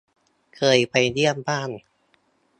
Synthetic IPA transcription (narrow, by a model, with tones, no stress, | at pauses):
kʰɤː˧jpa˧jdi˥˩əmbaː˥˩n